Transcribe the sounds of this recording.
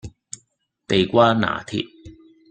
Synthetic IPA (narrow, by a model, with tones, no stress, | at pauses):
t̪e˨jkʷwaː˥na̰ː˨˩t̪ʰḭ˧˥t̚